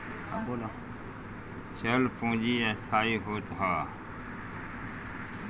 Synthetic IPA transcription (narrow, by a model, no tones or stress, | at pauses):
ola | ʃʰəlpõːd͡ʒiːɛ̃ːsʰaːiːɦoːt̪ɦaː